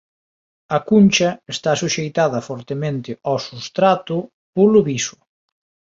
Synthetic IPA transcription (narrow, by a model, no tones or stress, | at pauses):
ɐkunʲt͡ʃɐest̪asuʃejt̪aðɐfɔɾt̪emẽnt̪ɪawsust̪ɾat̪ʊ | pulʊβisʊ̥